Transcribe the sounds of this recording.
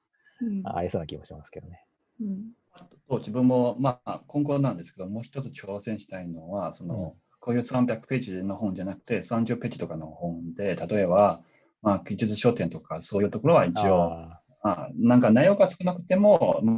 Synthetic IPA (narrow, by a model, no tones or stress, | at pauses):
a̰isoːnakʲimoɕimasɨ̥ked̪one | at̪t̪od͡ʑibɯ̟̃mːo̞makõ̞ŋko̞nːãnd̪esɨ̥ke̞d̪o̞mo̞ːçi̥t̪o̞t͡sɨ̥t͡ɕoːsẽ̞ɰ̃ɕi̥t̪aino̞βaso̞no̞̰ | ko̞ːjɯ̟ːsãmbʲjakɯ̟̥pe̞ːd͡ʑino̞ɦõ̞nd͡ʑanakɯ̟t̪e̞sãɲ̟d͡ʑɨpe̞ːd͡ʑi̥t̪o̞kano̞hõ̞nd̪e̞t̪at̪o̞e̞βa | makʲid͡ʑɨt͡sɨɕo̞ːt̪ẽ̞nt̪o̞kaso̞ːjɯ̟ːt̪o̞koɾoβait͡ɕio̞ | manãŋkanaijo̞ɡasɨ̥kɯ̟nakɯ̟̥t̪e̞mo̞m